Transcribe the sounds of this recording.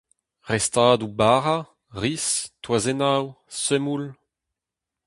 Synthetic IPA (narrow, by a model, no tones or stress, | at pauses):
ʁɛstaːd̪ubaːʁa | ʁistwazenaw | sømul